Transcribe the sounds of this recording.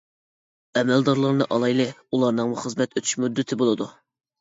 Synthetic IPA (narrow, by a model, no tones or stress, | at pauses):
ɛmɛld̪ɑɾlˠɑɾnɨʔɑlˠɑjlˠɨulˠɑɾnɨŋmuχəzmɛt̪øt̪ʰy̥ʃmud̪ːɪt̪ʰɪbolˠɨd̪u